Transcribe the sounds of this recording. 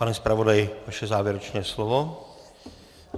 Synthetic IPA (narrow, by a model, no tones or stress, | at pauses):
anɛspɾavo̞dajɪvaʃɛzaːvjɛɾɛt͡ʃnɛːslovo